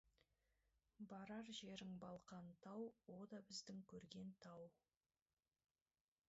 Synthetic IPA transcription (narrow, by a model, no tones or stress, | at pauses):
bɑɾɑɾʒe̞ɾɪŋbɑlˠqɑnt̪ʰɑwwo̞d̪ɑbɪzd̪ɪŋkʲʰɵɾɡʲe̞nt̪ʰɑw